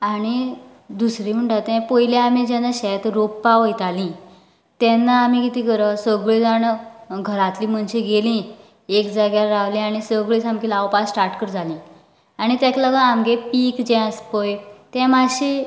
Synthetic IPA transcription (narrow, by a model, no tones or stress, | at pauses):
aɽ̃i | d̪usɾim̤əɳʈat̪ɛ̃pəiljaamĩd͡ʑɛ̃nːaɕɛt̪ɾoppaʋəjt̪alĩ | t̪ɛ̃nːaːm̤ĩkit̪ĩkəɾəsəɡɭed͡zaɳɡʱəɾat̪liːm̤əɳɕeɡelĩ | ekd͡zaɡjaɾaʋlĩaɽ̃isəɡɭet͡samkilaʋpasːʈaɾʈkəɾd͡zʱalĩː | aɽ̃it̪ɛ̃kləɡəamɡepiːkd͡ʑɛ̃əspojt̪ɛ̃maɕi